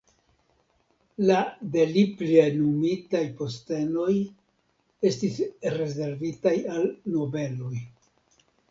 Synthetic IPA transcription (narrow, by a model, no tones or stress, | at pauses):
lade̞liplenumitajpo̞ste̞no̞j | e̞stisɾe̞ze̞ɾvitajalno̞be̞lo̞j